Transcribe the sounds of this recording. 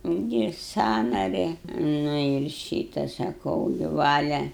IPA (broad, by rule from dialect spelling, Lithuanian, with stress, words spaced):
ɪnʲˈdʲeːjɛ ˈsɑːnɐrʲɪ nʊ ɪr ˈʃʲiːtɐ sɐˈkɐʊ ɡʲɪ ˈʋɑːlʲɛ